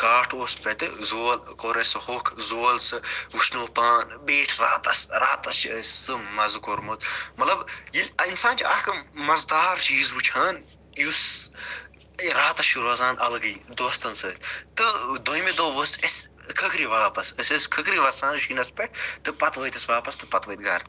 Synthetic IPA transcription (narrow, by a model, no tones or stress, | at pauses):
kaːʈʰospʲet̪ɨzoːlkoɾɐshokʰzoːlsɨʋuʃʰnoːpaːnbeːʈʰɾa̰ːt̪ɐsɾa̰ːt̪ɐst͡ʃʰsɨmɐzkoɾmot̪mɐt̪lɐbjilʲɐinsaːnt͡ʃʰiɐkɐmɐzd̪aːɾt͡ʃiːzut͡ʃʰaːn | jus | ɾaːt̪ɐsʃuɾɐːzãːnɐlɡɐjd̪oːst̪ɐnsɨːt̪ʲt̪ɨd̪ojmed̪oːʋɐsɐskʰɐkɾiʋaːpɐsɐsʲɐskʰɐkɾiʋɐsãːnʃinɐspeʈ̚ʰt̪ɨpɐt̪ʋɐjt̪ɐsʋaːpɐst̪ɨpɐt̪ʋəjt̪̚ɡɐ̰ːɾ